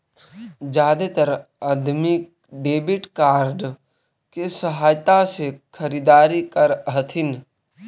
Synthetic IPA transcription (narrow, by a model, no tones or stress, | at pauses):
d͡ʒaːd̪et̪əɾəd̪mik̚ | ɖeːbɪʈkaːɾɖ | kesəɦaːjt̪asekʰəɾid̪aːɾikəɾɦət̪ʰɪn